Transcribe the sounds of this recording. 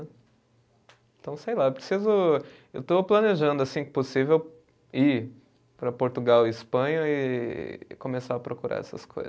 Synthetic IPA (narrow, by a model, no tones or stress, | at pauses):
ɛ | ẽt̪ɐ̃w̃sejlaewpɾesizʊ | ewt̪oplɐneʒɐ̃nd̪ʊasĩposivew | i | pɾɐpoɾt̪uɡawɪispɐ̃ɲɐɪ | kõmesaɐpɾokuɾa̰ɛ̰sɐ̰sko̰jz